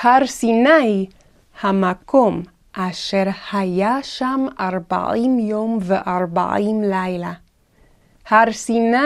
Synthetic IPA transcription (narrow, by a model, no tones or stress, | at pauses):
haɾsinaj | hamakom | ʔaʃeɾhajaʃamaɾba̰ʔimjomveʔaɾba̰imlajla | haɾsina